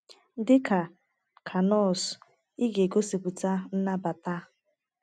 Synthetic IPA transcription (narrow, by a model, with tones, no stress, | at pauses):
dɪ˦ka˨ | kʰa˨nɔ˦˨s | i˦ɡe˨ɡo˦si˨ku˨ta˦n̩˦na˦ba˨ta˦